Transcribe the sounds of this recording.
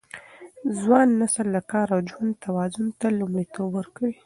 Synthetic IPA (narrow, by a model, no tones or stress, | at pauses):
zwɑnːasəlːakɑɾawd͡ʒwand̪̚t̪ʰawɑzʊnt̪alumɽit̪obwəɾkawi